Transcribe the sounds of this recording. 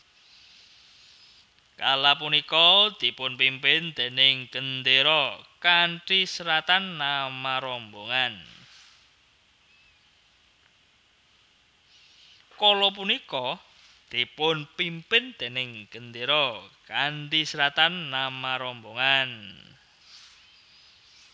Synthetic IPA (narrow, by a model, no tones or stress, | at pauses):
kalapunikɔd̪̥i̤pʊnpimpɪnd̪̥e̤nɪŋɡ̥ənd̪eɾɔkaɳʈisəɾat̪anːamaɾɔmboŋan | kɔlɔp̬unikɔ | d̪̥i̤pʊnpimpɪnd̪̥e̤nɪŋɡ̥ənd̪eɾɔkaɳʈisəɾat̪anːamaɾɔmboŋan